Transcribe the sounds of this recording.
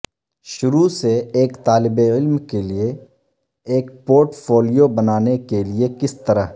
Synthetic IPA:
ʃʊɾuseeːkt̪aːlɪbeɪlmkelie | eːkpoːɾʈfoːlijobɐnaːnekeliekɪst̪ɐɾəɦ

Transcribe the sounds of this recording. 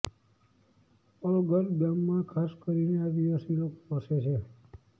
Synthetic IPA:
ɔlɡʱəɾɡamːãkʰaskəɾinead̪iʋasilokopəset͡ʃʰe

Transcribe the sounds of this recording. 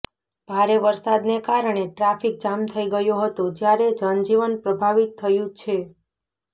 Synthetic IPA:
b̥ʱaɾeʋəɾsad̪nekaɾəɳ̃eʈɾafik̚d͡ʒamt̪ʰəiɡəjoɦət̪od͡ʒjaɾed͡ʒənd͡ʒiʋənpɾəbʱaʋit̪ʰːəjũt͡ʃʰe

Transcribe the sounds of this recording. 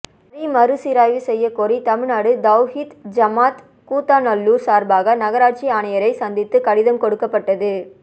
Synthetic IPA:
ɾimɐɾɯsɪɾaːjʋɯsɛjːɐkɔɾit̪ɐmɪɻnaːɽɯd̪ɐʊhit̪d͡ʒɐmaːt̪ | kuːt̪ːaːnɐlːuːsaːɾbaːɣɐnɐɣɐɾaːʈ̚t͡ʃiaːɳɐjɐɾɐɪsɐnd̪ɪt̪ːɯkɐɽɪðɐmkɔɽɯkːɐpːɐʈːɐðɯ

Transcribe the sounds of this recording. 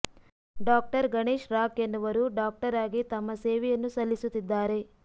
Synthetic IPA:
ɖaːk̚ʈɐɾɡɐɳeːʃɾaːkenːɐʋɐɾuɖaːk̚ʈɐɾaːɡit̪ɐmːɐseːʋɛjɐnːusɐlːisut̪ːid̪ːaːɾe̞

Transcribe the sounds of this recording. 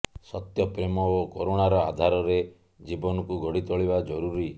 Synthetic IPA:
sɔt̪jɔpɾemɔokoɾoɽ̃aɾɔa̰d̪ʱaɾɔɾe | d͡ʒibɔnɔkuɡɔɽit̪ɔɭibad͡ʒɔɾuɾi

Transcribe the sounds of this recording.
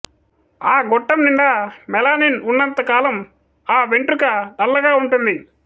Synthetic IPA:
aːɡɔʈːɐmniɳɖamɛlaːninunːɐnt̪ɐkaːlɐm | aːʋeɳʈɾukɐɖɐlːɐɡaːuɳʈund̪i

